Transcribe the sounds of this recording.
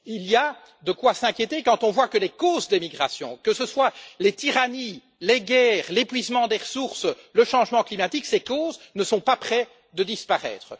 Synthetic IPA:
ilia | d̪əkwasɛ̃kʲjet̪ekɑ̃t̪ɔ̃vwakəlekoːzd̪emiɡʁasjɔ̰̃kəsəswalet̪iʁani | leɡʲɛːʁlepɥizmɑ̃d̪eʁəsuʁsləʃɑ̃ʒmɑ̃klimat̪iksekoːznəsɔ̃papχɛ | d̪əd̪ispaʁɛ̰ːt̪χə

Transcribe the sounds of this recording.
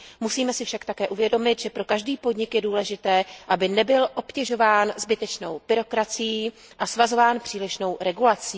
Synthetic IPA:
musiːmɛsɪfʃakt̪akɛːʔuvjɛdo̞mɪt̪ʒɛpɾo̞kaʒdiːpo̞dɲɪkjɛduːlɛʒɪt̪ɛːʔabɪnɛbɪlʔo̞pcɛʒo̞vaːnzbɪt̪ɛt͡ʃno̞wb̥ɪɾo̞kɾat͡sɪji | ʔasvazo̞vaːnpr̥iːlɪʃno̞wɾɛɡulat͡siː

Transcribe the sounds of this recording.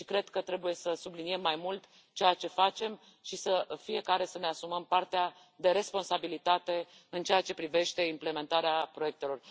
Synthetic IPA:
ʃikɾe̞d̪kət̪ɾe̞buje̞səsublinie̞mːajmult̪ | t͡ʃejat͡ʃe̞fat͡ʃe̞m | ʃisəfije̞kaɾe̞səne̞asuməmpart̪ea | d̪e̞ɾe̞spo̞nsabilit̪at̪e̞ | ɨnt͡ʃejat͡ʃe̞pɾive̞ʃt̪e̞imple̞me̞nt̪aɾeapɾo̞je̞k̚t̪e̞lo̞r

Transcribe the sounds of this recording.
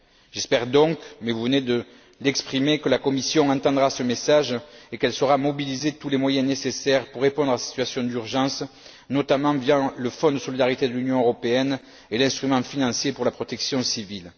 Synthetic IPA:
ʒ̥ɛspɛʁd̪ɔ̃kmɛvuvəned̪ə | lɛkspχimekəlakɔmisjɔ̃ɑ̃t̪ɑ̃d̪ʁasəmesaʒekɛlsəʁamɔbilizet̪ulemwajɛ̃nesesɛʁpuʁːepɔ̃d̪ʁasi̥t̪ɥasjɔ̃d̪yʁʒɑ̃s | nɔt̪amɑ̃vjɑ̃ləfɔ̃d̪əsɔlid̪aʁit̪ed̪əlynjɔ̃øʁɔpeɛn | elɛ̃st̪χymɑ̃finɑ̃sjepuʁlapχɔt̪ɛksjɔ̃sivil

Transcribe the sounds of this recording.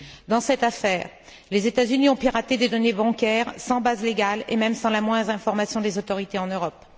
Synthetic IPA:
d̪ɑ̃sɛt̪afɛːʁ | lezet̪azyniɔ̃piʁat̪ed̪ed̪ɔnebɑ̃kʲɛʁsɑ̃bazleɡʲalḛmɛmsɑ̃lamwɛ̃d̪ʁɛ̃fɔʁmasjɔ̃d̪ezot̪ɔʁit̪eɑ̃nøʁɔp

